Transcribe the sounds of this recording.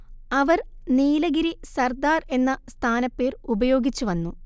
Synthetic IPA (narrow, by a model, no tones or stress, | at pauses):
ɐʋɐrniːlɐɡiɾisɐrd̪aːre̞nːɐst̪ʰaːnɐpːe̞ːrubɐjo̞ːɡit͡ɕːuʋɐnːu